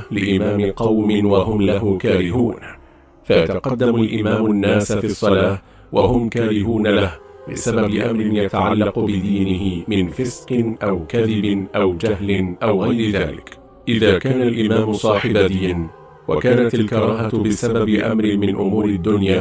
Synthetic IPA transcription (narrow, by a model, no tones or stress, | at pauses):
lɪʔɪmaːmɪqɑwmɪnwahʊmlaɦʊmkaːɾɪɦuːn | fajat̪aqɑd̪ːamalʔɪmaːmʊnːaːsfiːsˤːɑlaːh | waɦʊmkaːɾɪɦuːnalahbɪ̰sababɪʔamɾɪnjat̪aʕalːɑqʊbɪd̪iːnɪɦɪmɪnfɪsqɨnʔawkaðɪbɪnʔawd͡ʒahlɪnʔawɣajɾɪðaːlɪ̰k | ʔɪðaːkaːnalʔɪmaːmʊsˤɑːħɪbad̪iːn | wa̰kaːnat̪alkɑɾˤɑːɦat̪bɪsababɪʔa̰mɾɪnmɪnʔʊmuːɾɪd̪ːʊnjaː